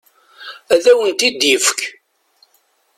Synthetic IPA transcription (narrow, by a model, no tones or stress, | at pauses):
æðæwənt̪id̪jifkʰ